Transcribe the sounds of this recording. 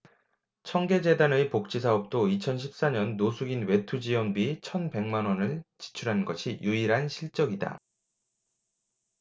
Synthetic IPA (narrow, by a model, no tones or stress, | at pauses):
t͡ɕʰʌŋɡe̞d͡ʑe̞danɯipok̚t͡ɕ͈is̬ʰaʌp̚t͈oit͡ɕʰʌnɕ̬ʰi̥p̚s͈aɲʌnːosʰuɡinwe̞tʰud͡ʑiwʌnbit͡ɕʰʌnpe̞ŋmanwʌnɯɭt͡ɕi̥t͡ɕʰuɾɦanɡʌɕʰijuiɾɦanɕʰiɭt͡ɕ͈ʌɡida̰